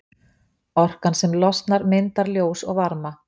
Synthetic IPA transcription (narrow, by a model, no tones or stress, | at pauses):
ɔr̥kansɛmlɔst̪naɾmɪnt̪aɾljoːwsɔɣvaɾma